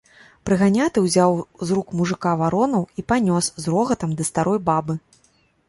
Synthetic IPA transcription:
pɾɨɣanʲat̪ɨwzʲawzɾukmuʐɨkavaɾɔnɐwipanʲɔszrɔɣɐt̪ɐmd̪ɐst̪aɾɔjbabɨ

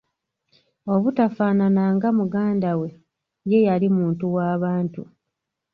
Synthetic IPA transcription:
o̞βutafaːnanaŋɡamuɡaːndawe̞ | je̞jalimuːntuwaːβaːntu

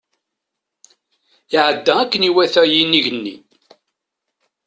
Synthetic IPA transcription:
iʕəd̪ːæækːəniwæθæjinːiʝənːḭ

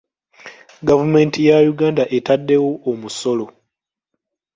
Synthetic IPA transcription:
ɡavume̞ːntijajuɡaːndaʔe̞tadːe̞woʔːmuso̞lo̞

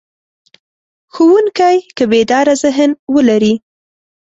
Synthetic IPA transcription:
xuwuŋkajkəbed̪ɑɾazɪɦənwəlaɾi

